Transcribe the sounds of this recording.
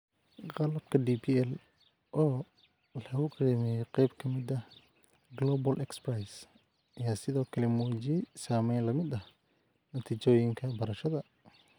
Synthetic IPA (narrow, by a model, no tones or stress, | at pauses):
qɑlɐbkʰɐdiːpʰiɛl | ʔɔː | lɐɣʊɡɐɾɛːmɛːjɔqɛjbkʰɐmɪd̪ɐ | ɡlɔːbɐlʔɛksprajs | ɐjaːsɪðɔːkʰɐlɛmuːt͡ʃijɛsaːmɛjnlɐmɪd̪ɐ | nɐt̪ʰiːt͡ʃɔːjɪŋkʰɐbɐɾɐʃɐðɐ